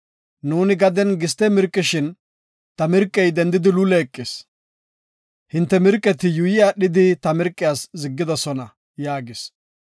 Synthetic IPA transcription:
nuːnɪɡɐd̪ɛnɡɪst̪ɛmɪɾkʼːɪʃɪn | t̪ɐmɪɾkʼːɛjd̪ɛnd̪ːɪd̪ɪlʊlɛːkʼːɪs | hɪnt̪ːɛmɪɾkʼːɛt̪ɪjʊjɪjaːɗɪd̪ɪt̪ɐmɪɾkʼːɪjaːszɪɡːɪd̪ɔsɔnɐ | jaːɡɪs

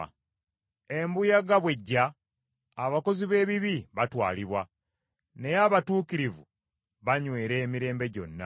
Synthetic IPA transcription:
e̞mbujaɡaβwe̞ɟːaː | βako̞ziβe̞ːβiβiβatwa̰ːliβwa | ne̞jaβatuːkiɾivṵ | βaɲwe̞ːɾe̞ːmiɾe̞ːmbe̞ɟo̞̰nːa̰

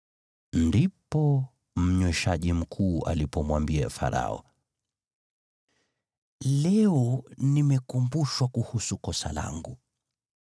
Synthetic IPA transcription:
ndipɔ | m̩ɲwɛʃaʄim̩kʰuːa̰lipɔmwambiafa̰ɾa̰ɔ̰ | lɛɔnimɛkumbuʃwakuhusukɔsa̰la̰ŋɡu

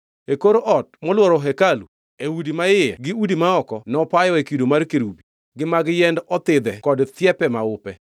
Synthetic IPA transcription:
ekoɾoʔɔt̚mɔlwɔɾɔɦɛkalṵ | eudimaɪjɛ̰ɡɪudimaɔkɔnɔpajɔekidomarkeɾubi | ɡɪmaɡjɛndɔt̪ɪd̪ɛkɔdt̪jɛpɛmaʊpɛ

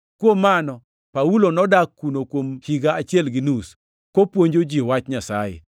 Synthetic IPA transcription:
kwomːanɔ | paulonɔdakːunokwomhiɡaat͡ʃjɛlɡɪnus | kopwoɲd͡ʒod͡ʒiwat͡ʃɲasa̰jḛ

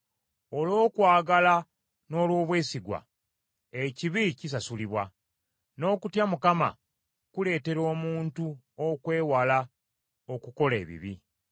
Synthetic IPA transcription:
o̞lo̞ːkwaːɡala | no̞ːlwo̞ːβwe̞ːsiɡwa̰ | eciβicis̬asuliβwa | no̞ːkutjamukama̰ | kule̞ːte̞ɾo̞ːmuːntu | okwe̞ːwala | okuko̞le̞̰ːβḭβi

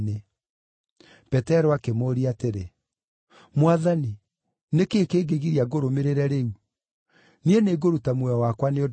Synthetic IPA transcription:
ne | pɛtɛɾɔakemoːɾiateɾe | mwaðani | nekeːkeːɣeɣiɾiaɡoɾomeɾeɾɛɾeu | nieneɡoɾutamwɛɔwakwaneo

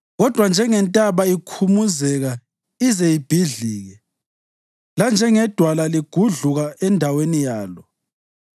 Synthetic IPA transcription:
ɣɔd̥ʱwand͡ʒʱɛŋɛntʼaβaikʰumuzɛɣa | izɛib̥ʱiɮiːɣɛ | land͡ʒʱɛŋɛd̥ʱwalaliɡ̥ʱuɮuɣaɛndʱawenijaːlɔ

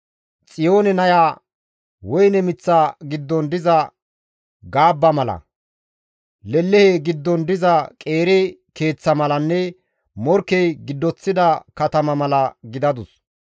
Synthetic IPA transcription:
t͡sʼɪjo̞ːnɛnɐjaː | wɔjnɛmɪt͡sːaːɡɪd̪ːɔnd̪ɪzɐ | ɡaːbːɐmɐlɐ̰ | lɛlːɛheɡɪd̪ːɔnd̪ɪzɐkʼe̞ːɾɛke̞ːt͡sːɐmɐlɐnːɛ | mɔɾkːɛjɡɪd̪ːɔt͡sːɪd̪ɐkɐt̪ɐmɐmɐlɐɡɪd̪ɐd̪ʊs

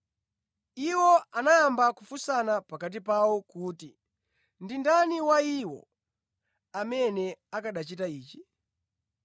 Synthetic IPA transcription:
iwɔanaːmbakufusanapakat̬ipawɔkuːti | ndindaniwaiwɔ̰ | amɛnɛakaɗat͡ʃitaiːt͡ʃi

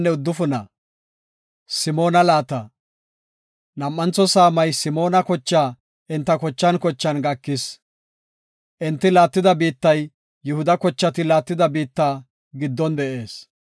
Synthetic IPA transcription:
nːɛʊd̪ːʊfʊnɐ̰ | sɪmo̞ːnɐlaːt̪ɐ | nɐmːɐnt͡sɔsaːmɐjsɪmo̞ːnɐkɔt͡ʃːaː | ʔɪnt̪ːɐkɔt͡ʃːɐnkɔt͡ʃːɐnɡɐkːɪs | ʔɪnt̪ːɪlaːt̪ːɪd̪ɐbiːt̪ːɐj | jːʊhʊd̪ɐkɔt͡ʃːɐt̪ɪlaːt̪ːɪd̪ɐbiːt̪ːaː | ɡɪd̪ːɔnd̪ɛʔe̞ːs

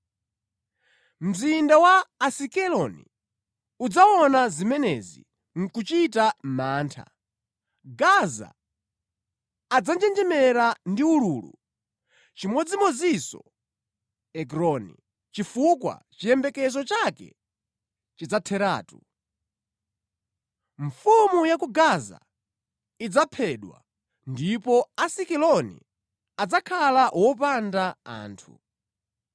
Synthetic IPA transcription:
m̩zindawaːsikɛlɔnḭ | ud͡zawɔnazimɛnɛzḭ | ŋ̩kut͡ʃitamaːntʰa̰ | ɡaza̰ | d͡zand͡ʒɛnd͡ʒɛmɛɾandiuluːlṵ | t͡ʃimɔd͡zimɔd͡zisɔ̰ | ɛkɾɔnḭ | t͡ʃifukwa̰t͡ʃijɛmbɛkɛzɔt͡ʃakɛ̰ | t͡ʃid͡zatʰɛɾa̰ːtu | ɱfumujakuɡaza̰ | id͡zapʰɛɗwa̰ | ndipɔasikɛlɔnḭ | ad͡zakʰalawɔpandaa̰ːntʰṵ

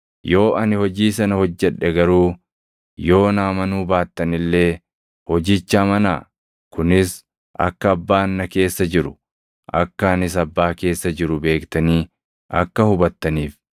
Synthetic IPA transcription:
jo̞ːʔɐnɪhɔd͡ʒiːs̬ɐnɐhɔd͡ʒːɛᶑːɛɡɐɾuː | jo̞ːnaːmɐnuːbaːt̪ːɐnɪlːe̞ː | hɔd͡ʒiːt͡ʃːaːmɐna̰ː | kʊnɪs | ʔɐ̰kːɐːbːaːnːɐke̞ːsːɐd͡ʒɪɾʊ̥ | ʔɐ̰kːɐːnɪs̬ɐbːaːke̞ːsːɐd͡ʒɪɾʊbe̞ːkt̪ɐniː | ʔɐ̰kːɐhʊbɐt̪ːɐniːf

